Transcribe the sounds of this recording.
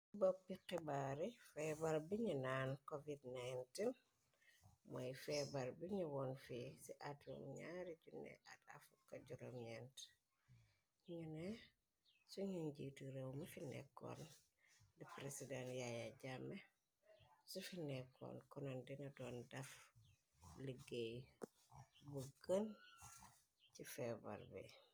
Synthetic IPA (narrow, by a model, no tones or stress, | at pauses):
bopːiqibaɾifɛbalbiɲunaːnkovidnajntin | mojfɛbalbiɲuwɔnfisiʔatṵmɲaɾiɟunːɛ̰ʔa̰tafukːɐɟuɾomɲɛnt | ɲiɲunɛ | suɲiɲɟitiɾewmɐfinɛ̰kːo̰ːn | dipɾesidanjajaɟamːe | sufinɛkʰːo̰ːnkɔnondinɐdoːndɐf | liɡej | buɡən | cifɛbɐ̰ɾbḭ